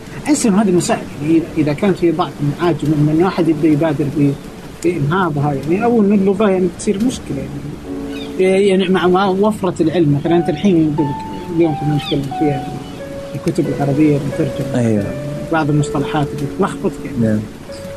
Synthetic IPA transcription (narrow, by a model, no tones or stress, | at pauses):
ʔasʔɪnːʊhaːd̪imʊsaːʔalajaʕniʔɪðaʔɪðakaːnt̪fibˤɑʕfɪlmaʕaːd͡ʒmɪmːaʔɪnːwaːħɪd̪jɪb̚d̪ajbaːd̪ɪɾbɪ | b̥ɪʔɪnɦaːbhajaʕniʔawːalmɪlːʊɣɑjaʕnibɪt̪sˤiːɾmʊʃkɪlajaʕniʕi | jaʕnimaʕwafɾˤɑɪlʕɪlmːaθalanʔɪnt̪alħiːnjɪd̪alɪk | ljoːmk̪amːanːɪt̪̚kalːɪmfiːha | lkʊt̪ʊbɪlʕɑɾˤɑbɪjːat̪ɑɾˤd͡ʒamajbɑʕðˤɪlmʊsˤt̪ˤɑlɑħaːt̪ɪb̪it̪lɑxfʊt̪ˤjaʕni